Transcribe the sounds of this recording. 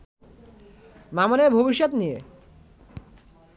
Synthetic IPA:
mamoneɾbʱobiʃːot̪nije

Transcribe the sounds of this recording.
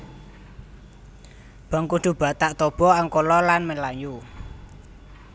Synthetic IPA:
b̥a̤ŋkuɖ̪̥ṳb̥a̤ʔt̪aʔt̪ob̥ɔ̤aŋkolɔlanmelaju

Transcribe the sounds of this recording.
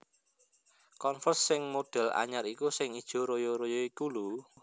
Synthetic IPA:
kɔnfərsːɪŋmoɖ̥ɛ̤la̰ɲaɾikusɪŋid̥ʒ̥o̤ɾojɔɾojɔikulu

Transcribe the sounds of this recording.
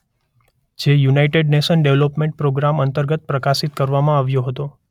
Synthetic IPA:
d͡ʒejunaiʈeɖneʃənɖeʋlopmẽɳʈ̚pɾoɡɾamənt̪əɾɡət̪̚pɾəkasit̪kəɾʋamãaʋjoɦət̪o

